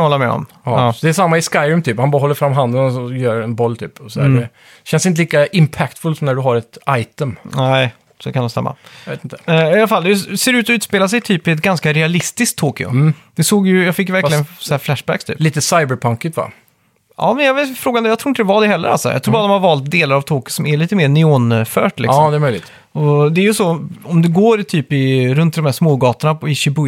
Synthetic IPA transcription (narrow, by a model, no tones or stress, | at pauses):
ɔlːəmɛ̰ɔ̰mː | d̪ɛːsamːaɪskajɾʉmt̪ʰyːphanbɑɾɦɔlːəɾfɾamːɦand̪ənɔɔjœːɾɛnbɔlːt̪ʰy̰ːpɔsɔd̪æ̰ɖɛ | ɕɛnsɪnt̪əliːkaɪmpʰækt̪fɵlsɔmnæɖɵɦaɾɛt̪ajt̪əmnɛɪ | sɔkʰand̪ɔmsɛ̰mːa̰jvḛːt̪ɪnt̪əɪalafalːd̪ɛseːɾʉ̟ːt̪ɔʉːt̪speːlaʂ̬ɛjt̪ʰyːpɪɛt̪ɡanskaɾɛalɪst̪ɪskt̪ʰːoːkɪʊ̰d̪̥ɛsoːɡjɵjɑfɪkːvæɾklɪɡənsɔhæːɾflæʂbæ̰kst̪ʰyːpliːt̪əsajbəɾpʰaŋkɪt̪va̰ | ɑ̰ːmɛnjɑvefɾoːɡand̪jɑt̪ɾuːɪnt̪d̪ɛvaɖɛhɛlːə̰ɾa̰lsɔ̰jɑ̰t̪ʰɾuːbɑɾad̪ɔmhaɾvɑːlt̪̚d̪eːlaɾavt̪ʰoːkɪʊsɔmæɭiːt̪əmeːɾnɪoːnfœ̰ːʈlɪ̰sɔmd̪ɛmœʏjlɪ̰t̪ | ɔd̪ɛːɾjɵsɔɔmd̪ɛɡoːɾt̪ʰyːpɪɾɵnt̪̚d̪ɔmhæːʂmoːɡɑːt̪əɳaɪɕɪbʊ